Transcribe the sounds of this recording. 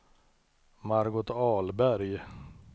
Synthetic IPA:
maɾɡʊt̪ɑːlbæɾj

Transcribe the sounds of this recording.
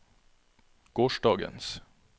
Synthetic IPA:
ɡ̥oːʃɖɑːɡə̰ns

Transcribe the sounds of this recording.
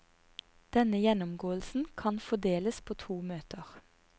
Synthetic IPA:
d̪̥ɛnəjɛnɔmɡoːəl̩sn̩kʰɑnfɔd̪eːləspʰoːt̪ʰuːmøːt̪ʰəʁ

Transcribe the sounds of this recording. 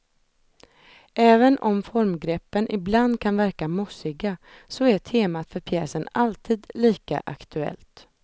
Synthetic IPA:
ʔɛːvənʔɔmfɔɾmɡɾɛpːənʔɪbland̪kʰanvæɾkamʊsɪɡasɔæʈ̪ʰeːmat̪fœɾpʰjɛːsənalt̪ʰiːd̪liːka̰ʔa̰kt̪ʰɵɛ̰lt̪

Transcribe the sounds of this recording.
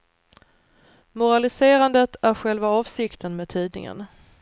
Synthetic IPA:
mʊɾalɪseːɾand̪ət̪ʰæɾɧɛlvaɑːvsɪkt̪ʰənmeːd̪̚t̪ʰiːd̪nɪ̰ŋə̰n

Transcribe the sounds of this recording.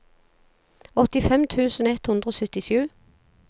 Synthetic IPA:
ɔt̪ɪfɛmt̪ʰʉːsn̩ːɛt̪hʊnd̪ʁəoːsœt̪ɪʃʉː

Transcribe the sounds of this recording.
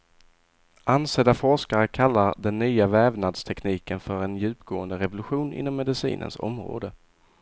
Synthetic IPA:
anseːd̪afɔʂkaɾəkʰalːaɾd̪ɛnːyːavɛːvnad̪st̪ʰɛkniːkənfœɾɛnjʉ̟ːpɡoːənd̪əɾɛvʊlɵɧuːnʔɪ̰nːɔmːɛd̪ɪsḭːnʔə̰nsɔ̰mɾo̰ːd̪ə

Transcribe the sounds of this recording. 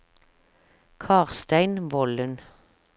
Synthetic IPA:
kʰɑːʁst̪æɪnʋɔlən

